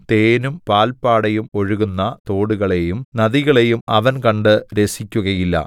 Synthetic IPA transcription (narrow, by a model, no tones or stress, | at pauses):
t̪e̞ːnumpaːlpaːɽejumo̞ɻuɣunːɐt̪o̞ːɽuɣɐɭe̞jumnɐðiɣɐɭe̞jumɐʋɐnkɐɳɖɨɾe̞sikʲːuɣɐjilːɐ̰